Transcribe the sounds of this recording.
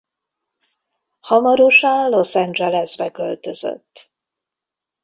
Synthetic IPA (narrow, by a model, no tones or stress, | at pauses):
hɒmɒɾoʃanlo̞sɛnd͡ʒɛlɛzbɛkø̞lt̪ø̞zø̰t̪ː